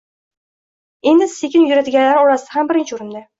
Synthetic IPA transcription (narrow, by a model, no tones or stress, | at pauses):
e̞nd̪ɪsekʲɪnjʊɾat̪ɪɡʲanlːaɾɒɾasd̪ahambɪɾɪnt͡ʃɪʊɾɪnd̪ɪ